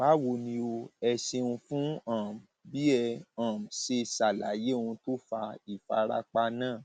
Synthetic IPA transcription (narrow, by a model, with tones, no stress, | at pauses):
ba˨˦wo˧˨nĩ˧o˧ɛ˧ʃe˧ũ˧fũ˦ã˦˨m˨bi˦ɛ˧ã˨m̩˨ʃe˧sa˨la̰˨˦je˦˨˧ũ˧to˦fa˧i˨fa̰˧ɾa̰˦k͡pa˧˦nãː˦˨